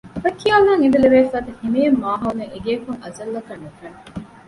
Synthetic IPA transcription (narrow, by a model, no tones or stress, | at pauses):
ʋɐkːialːaŋid̪eleʋeːfæːt̪ɐhimejemːaːɦɐuneeɡeːkuŋɐzɐlːɐkɐnːufɐn